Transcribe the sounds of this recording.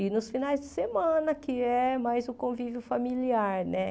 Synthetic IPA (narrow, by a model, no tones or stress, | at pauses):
ɪnʊsfinajzd͡ʒɪsemɐ̃nɐkɪɛmajzʊkõvivjʊfamiliaɾnɛ